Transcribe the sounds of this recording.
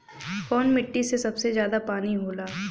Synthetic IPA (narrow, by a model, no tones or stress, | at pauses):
foːnmɪʈːisesɐbsezjaːd̪apaːniɦoːlaː